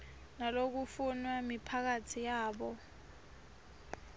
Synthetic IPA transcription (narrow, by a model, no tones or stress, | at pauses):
nalok̬ufunwamipʰak̬atʰijaːɓɔ